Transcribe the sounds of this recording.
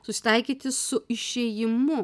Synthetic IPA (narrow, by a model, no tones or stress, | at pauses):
sʊsʲɪ̥t̪ɐɪkʲiːt̪ʲɪssʊɪʃʲɛjɪmʊ